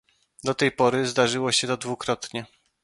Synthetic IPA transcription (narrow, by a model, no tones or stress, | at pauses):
d̪ɔt̪ɛjpɔɾɘzd̪aʐɘwɔɕɛt̪ɔd̪vukɾɔt̪ɲɛ